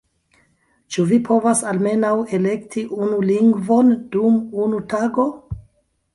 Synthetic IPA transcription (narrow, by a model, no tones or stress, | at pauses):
t͡ʃuvipʰo̞vasalme̞nawe̞le̞ktʰiʔunuliŋɡvo̞nd̥umunutaɡo̞